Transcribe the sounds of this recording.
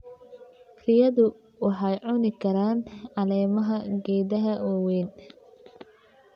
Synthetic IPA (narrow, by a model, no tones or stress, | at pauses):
rɪjɐðʊ | ʊħɑjʕʊnɪkʰɐɾaːnɑlɛːmɐɦɐɡɛːðɐɦɐʔɔwiːn